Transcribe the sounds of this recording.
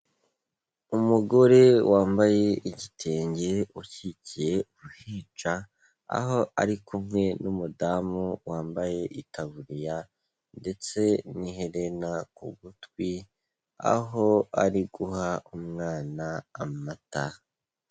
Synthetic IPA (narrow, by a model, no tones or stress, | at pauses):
umuɡo̞ɾe̞wʔaːmbaje̞ʔiɟitʰe̞ːɲɟe̞ucicije̞uβuhiːt͡ʃa | a̰ɦo̞ʔa̰ɾikʰumŋwe̞numudamuwaːmbaje̞ʔitʰaβuɾija | nde̞t͡se̞niɦe̞ɾe̞nakṵɡutwwi | a̰ɦo̞a̰ɾiɡuhaumŋaːnaːmata